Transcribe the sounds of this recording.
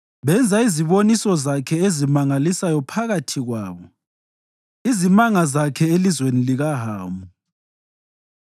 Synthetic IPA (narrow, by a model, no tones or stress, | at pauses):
βɛnd͡zʱaiziβonisɔzakʰɛezimaŋalisajɔpʰaɣatʰiɣwaːβɔ | izimaŋazakʰɛelizweniliɣaɦaːmbʱu